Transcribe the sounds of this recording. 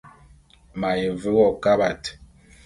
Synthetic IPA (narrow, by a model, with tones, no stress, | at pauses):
ma˨je˨və˦ɣɔ˦˨ka˦ba˨t